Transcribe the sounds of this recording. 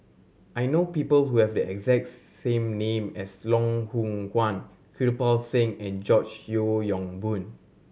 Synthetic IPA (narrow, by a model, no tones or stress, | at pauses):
ʔajnopipəlhuhɛvdəɛɡzɛk̚tsẽmnẽmɛslɔ̃ŋhũŋkwãn | kʰɹilpalsẽŋɛ̃nd͡ʒɔt͡ʃjojɔ̃ŋbũn